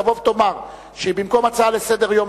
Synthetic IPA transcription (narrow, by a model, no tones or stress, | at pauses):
avo̞vt̪o̞maʁ | ʃebimko̞mat͡saalesed̪eʁjo̞m